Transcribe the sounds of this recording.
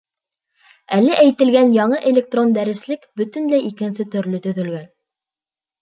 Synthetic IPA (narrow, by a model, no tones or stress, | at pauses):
ælːæʔæjt̪ɘ̆lɡænjɑɴɤʔelʲek̚t̪ro̞nd̪æɾɘ̆slɘkbɵt̪ɘ̆nlæjikɘ̆nsɘt̪ɵ̆ɾlɵt̪ɵ̆ðɵ̆lɡæn